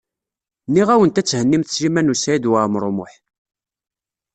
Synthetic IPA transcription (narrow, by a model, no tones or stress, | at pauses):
nːiʁæwənt̪æt͡sːhənːimθslimænusæid̪waɾmɾˤomʊħ